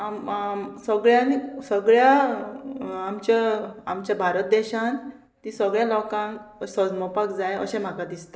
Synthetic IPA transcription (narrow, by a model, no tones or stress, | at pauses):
amsəɡɭjanisəɡɭja | mt͡ɕjaa̰mt͡ɕjabʱaɾət̪̚d̪ɛɕãn | t̪ĩsəɡɭjalɔkãŋksəd͡zmɔpakd͡zajə̰ɕẽm̤akad̪ist̪a